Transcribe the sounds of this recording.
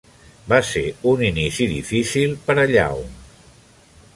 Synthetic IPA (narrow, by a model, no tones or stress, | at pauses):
baseuninisiðḭfisilˠpəɾəʎa̰w